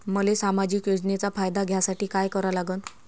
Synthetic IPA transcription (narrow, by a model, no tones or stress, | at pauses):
məlesamad͡ʑiːkjod͡znet͡safajd̪aɡʱjasaʈiːkajkəɾalaɡən